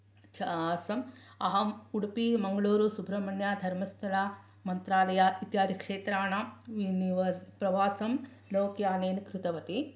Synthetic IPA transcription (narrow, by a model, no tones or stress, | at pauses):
t͡ʃʰɐsɐmɐɦɐuɽipimɐŋɡɐɭuːɾusubʱɾɐmɐɳjaːd̪ʱɐɾmɐst̪ʰɐlaː | mɐnt̪ɾaːlɐjait̪jaːd̪ʱikʂeːt̪ɾaːnaʋiniʋɐpɾɐʋaːsɐm | loːkjaːneːnikɾɪt̪ɐʋɐt̪i